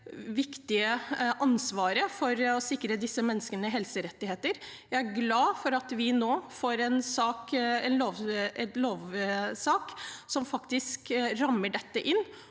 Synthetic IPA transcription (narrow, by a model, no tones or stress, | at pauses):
ʋɪkt̪ɪəʔɑnsʋɑːɾəfɔɾɔsɪkːɾəd̪ɪsːəmɛnːəskənəəɦɛlsəɾɛt̪ːɪheːt̪əɾ | jæɪæɾɡlɑːfɔɾɑt̪ʋɪnoːfoːɾɛnsɑːkɛnloːʋɛt̪loːʋsɑːksɔmfɑkt̪ɪskɾɑmːəɖɛt̪ːəʔɪnː